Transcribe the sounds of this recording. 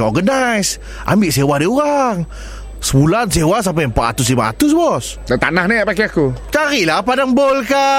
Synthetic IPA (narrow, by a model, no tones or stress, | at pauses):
ɔ̰ɡənajs | ʔa̰mbɪʔsewahdiuɾaŋ | səbulansewas̬ampajəmpat̪at̪ʊs̬limaa̰t̪ʊs̬bɔs | dat̪a̰nahnaapakiakut͡ʃaɾilapadaŋbolka